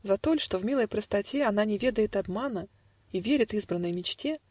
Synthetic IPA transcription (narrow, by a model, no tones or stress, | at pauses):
zɐt̪o̞lʲʂt̪o̞vmʲilˠəjpɾəst̪ɐtʲeɐn̪anʲɪvʲe̞d̪əjɪt̪ɐbmanə | ivʲeɾʲɪt̪ɨzbɾənːəjmʲɪt͡ɕtʲe̞